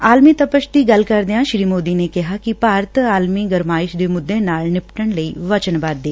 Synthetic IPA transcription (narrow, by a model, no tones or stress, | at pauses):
aːlmit̪əpəʃd̪iɡɐlkəɾd̪ejãʃɾiːmoːd̪iːnekɪɦakipaːɾt̪aːlmiɡəɾmaːɪʃd̪eːmʊd̪ːẽnaːlnɪpʈəɳləiːʋət͡ʃənbaːd̪d̪eː